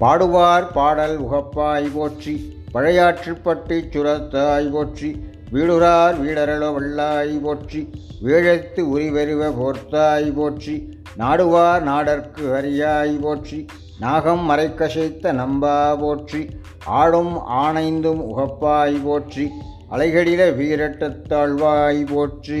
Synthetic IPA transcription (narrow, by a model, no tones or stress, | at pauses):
paːɽɯʋaːɾpaːɽɐlʊɣɐpːaːjpoːʈri | pɐɻɐjaːʈripːɐʈːit͡ʃːʊɾɐt̪ːaːjpoːʈri | ʋiːɽɯɾaːɾʋiːɽɐɾɐɭoʋɐɭːaːjipoːʈriʋeːɻɐt̪ːɯʊɾiʋɐɾɯʋɐpoːɾt̪ːaːjpoːʈri | naːɽɯʋaːɾnaːɽɐɾkɯʋɐɾɪjaːjpoːʈri | naːɣɐmːɐɾɐɪkːɐʂɛɪt̪ːɐnɐmbaːpoːʈri | aːɻɯma̰ːnɐɪnd̪ɯmʊ̰ɣɐpːaːjipoːʈri | ʔɐ̰lɐɪɣɐɭɪleʋiːɾɐʈːɐt̪ːaːɭʋaːjipoːʈri